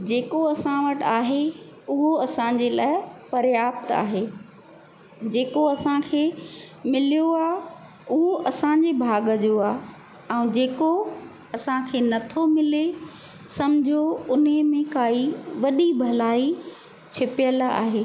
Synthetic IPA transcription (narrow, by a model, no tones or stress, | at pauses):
d͡ʑeːkoɐsãʋɐʈaːɦeʊɦoɐsãɲ̆d͡ʑelaːɪpɐɾjaːp̚t̪a̰ːɦeː | d͡ʑeːkoɐsãkʰeː | mɪlijoaː | ʊɦoʔɐsãɲd͡ʑebʱaːɡəd͡ʑoaː | ɛ̃ũd͡ʑeːko | ɐsãkʰeːnɐt̪ʰomɪle | sɐmd͡ʑʱoʊnɦəmẽkaːiʋɐɗibʱɐlaːi | t͡ɕʰɪpɪjəla̰ːɦeː